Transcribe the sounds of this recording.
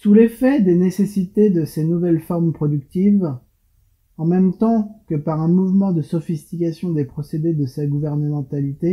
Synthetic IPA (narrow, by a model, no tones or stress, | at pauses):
sulefɛd̪enesesit̪ed̪əsenuvɛlfɔʁmpχɔd̪ykt̪iv | ɑ̃mɛmt̪ɑ̃kəpaʁɛ̃muvmɑ̃d̪əsɔfist̪ikʲasjɔ̃d̪epχɔsed̪ed̪əsaɡuvɛʁnəmɑ̃t̪alit̪e